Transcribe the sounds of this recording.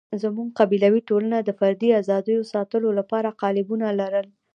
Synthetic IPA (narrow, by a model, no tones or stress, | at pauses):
zamuɡ̚qabilawiʈolanad̪əfaɾd̪iazɑd̪əjosɑt̪əlolapɑɾaqɑlɪbunalaɾəl